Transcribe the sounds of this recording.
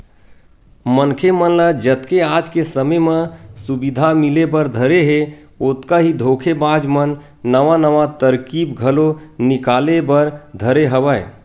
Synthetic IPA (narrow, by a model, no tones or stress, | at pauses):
mənkʰemənləd͡ʒət̪keaːd͡ʒkesəməjmə̃subid̪ʱamɪlebəɾd̪ʱəɾeɦe | ot̪kaɦid̪ʱoːkʰebaːd͡ʒmənː | əʋanəʋat̪əɾkibɡʱəlonɪkaːlebəɾd̪ʱəɾeɦəʋə